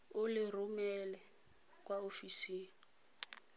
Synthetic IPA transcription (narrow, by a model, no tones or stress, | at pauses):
ʊlɪrumɛlɛ | kʼwaofisiːn̩